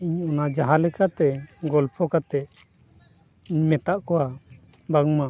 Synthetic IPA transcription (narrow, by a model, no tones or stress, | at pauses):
iɲɔnad͡ʒaɦalɛkat̪ɛɡɔlpʰɔkat̪ɛʔ | imɛt̪aʔkɔwa | baŋma